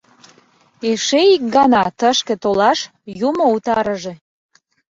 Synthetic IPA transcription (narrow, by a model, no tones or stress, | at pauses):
eʃeik̚ɡɑnɑt̪əʃkĕt̪olɑʃ | jumout̪ɑɾəʒe